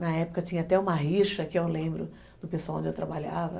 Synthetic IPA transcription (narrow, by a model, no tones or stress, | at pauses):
nɐɛpʊ̥kɐt͡ʃĩɲɐat̪ɛũmɐɦiʃɐkɪewlẽmbɾʊ | d̪ʊpeswawõd͡ʒɪewt̪ɾabaʎavɐ̰